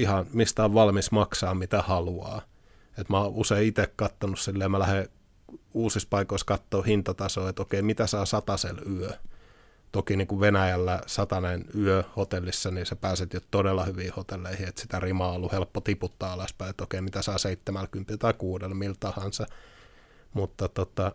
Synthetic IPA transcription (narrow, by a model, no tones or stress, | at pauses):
ihɑnmist̪æoʋʋɑlmismɑksɑːmmit̪æhɑluɑ̰ː | et̪mɑːʔuseiit̪ekkɑt̪ːonussilːeːmælæhe | uːsispɑikoiskɑt̪ːoːhint̪ɑt̪ɑsoːet̪okeimit̪æsɑːsɑt̪ɑselyø | t̪okiniːŋkuʋenæjælːæsɑt̪ɑnenyøhot̪elːisːɑnisepæːset̪jott̪odelːɑhyʋiːhot̪elːeihiet̪sit̪ærimɑːolːuhelpːot̪iput̪ːɑːɑlɑspæiet̪okeimit̪æsɑːseit̪ːemælkympilt̪ɑikuːdelmilt̪ɑhɑnsɑ | mut̪ːɑt̪ot̪ɑ